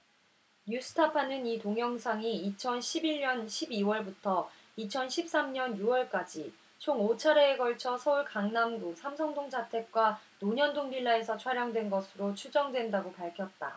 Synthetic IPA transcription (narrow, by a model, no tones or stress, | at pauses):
ɲus͈ʰɯ̥tʰapʰanɯnitoŋjʌŋsʰaŋiːt͡ɕʰʌnɕʰibiʎɲʌnɕʰibiwʌɭbutʰʌ | it͡ɕʰʌnɕʰip̚s͈amɲʌnjuwʌɭk͈ad͡ʑi | t͡ɕʰoŋot͡ɕʰaɾe̞ːɡʌɭt͡ɕʰʌsʰʌuɭkaŋnamɡusʰamsʰʌŋdoŋd͡ʑatʰe̞k̚k͈wanoɲʌndoŋɡiɭːae̞sʰʌt͡ɕʰwaɾjaŋdwe̞nɡʌsʰɯɾot͡ɕʰud͡ʑʌŋdwe̞ndaɡopaɭkʰjʌt̚t͈a